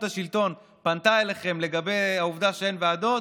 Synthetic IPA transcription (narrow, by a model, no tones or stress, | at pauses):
t̪aʃilt̪o̞n | pant̪aeleχe̞mle̞ɡabe̞jauvd̪aʃeenvead̪o̞